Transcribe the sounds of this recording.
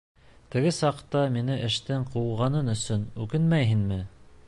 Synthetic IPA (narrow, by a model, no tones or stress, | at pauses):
t̪ɘ̆ɡɘsɑqt̪ɑminɘʔɘ̆ʃt̪ɘɴqulʁɑnɤnɵ̆sɵnʉkɘnmæjɦinmɘ